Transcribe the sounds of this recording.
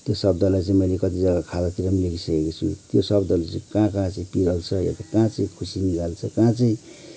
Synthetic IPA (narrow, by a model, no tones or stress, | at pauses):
t̪josʌbd̪ʱʌlajt͡sʌ̃ĩmʌjlekʌt̪id͡zʌɡakʰad̪at̪iɾʌmlekʰisʌkekot͡sʰṵt̪josʌbd̪ʱʌlat͡sʌĩkãkãt͡sʌĩpiɾʌlt͡sʰʌja̰t̪akãt͡sʌ̃ĩkʰusiniɡalt͡sʰʌkãt͡sʌĩ